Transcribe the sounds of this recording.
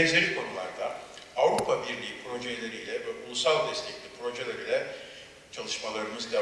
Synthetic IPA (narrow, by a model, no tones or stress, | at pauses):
ɛnzeɾikʰo̞nulˠa̰ɾd̪aavɾupʰabiɾlʲiːpʰɾo̞ʒejlʲe̞ɾiːlʲɛvɛʔulˠusalˠd̪ɛst̪ʰɛclʲipʰɾo̞ʒe̞lʲeɾilʲɛ | t͡ʃʰalˠɯʃmalˠaɾɯmɯzd̪ɛ